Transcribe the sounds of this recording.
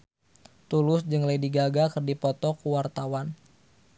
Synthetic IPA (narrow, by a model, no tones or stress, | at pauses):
t̪ulʊsd͡ʒɨŋlajdiɡaɡakərdipɔt̪ɔkuwart̪awan